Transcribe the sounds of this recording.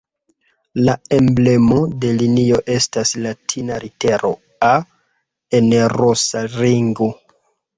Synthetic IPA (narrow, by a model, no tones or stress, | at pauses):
lae̞mble̞mo̞de̞linio̞ʔe̞staslatʰinaɾite̞ɾo̞̰ | a | enɾosaliŋɡo